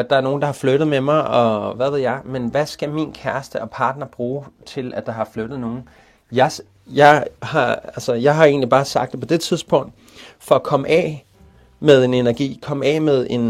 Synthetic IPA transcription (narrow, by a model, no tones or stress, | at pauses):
æd̥ɑ̈æɐno̝ːn̩d̥ɑ̈hɑ̈fløɾ̥ð̞̩ˠmemɑ̈ɪʔɒ̽ʋæðe̝ð̞̰ˠjɑ̈ɪmenʋæsɡ̥æminkʰæɐsd̥əɒ̽pʰɑ̈ːd̥nɐb̥ʁuːt͡sʰe̝lʔæ̥d̥ɑ̈ɦɑ̈fløɾ̥ð̩ˠno̝ːn̩ | jɑɪs | jɑ̈ɪhɑ̈ælsəjɑ̈ɪɦɑ̈e̝̰ːnlib̥ɑ̈ːsɑ̈ɡ̥d̥epʰɒ̽d̥e̝t͡sʰiðˠsb̥ɔ̽ŋ̰d̥ | fɒ̽ːkʰɒ̽məʔɛ̰ | með̞ˠe̝ne̝næɐɡ̥ḭːkʰɒ̽məɛ̰ːmeð̞ˠe̝n